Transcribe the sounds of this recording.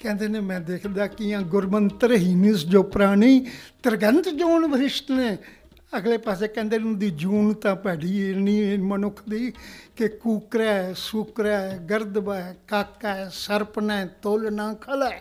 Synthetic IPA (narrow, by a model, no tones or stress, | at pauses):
kɛ̃ːnd̪eːneːmɛ̃ːd̪eːkʰd̪aːkɪãːɡʊɾmənt̪əɾɦiːmɪsd͡ʒoːpɾaːɽ̃iːt̪əɾɡənt̪d͡ʒuːnʋəɾɪʃt̪nẽː | əɡleːpaːseːkɛ̃ːnd̪eːnʊd̪iːd͡ʒuːnt̪ãːpɛːɽiːenĩːmənʊkʰd̪iːkekuːkɾaːɛːsukɾaːɛɡəɾd̪baːɛkakːaɛːsəɾpnaɛt̪olnãːkʰəla